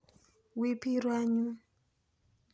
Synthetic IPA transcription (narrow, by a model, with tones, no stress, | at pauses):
wi˦pi˦ɾwa˦ɲu˦